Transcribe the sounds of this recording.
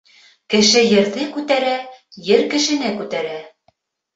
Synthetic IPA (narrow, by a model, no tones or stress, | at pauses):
kɘ̆ʃɘjɘ̆ɾðɘkʉt̪æɾæjɘɾkɘ̆ʃɘ̆nɘkʉt̪æɾæ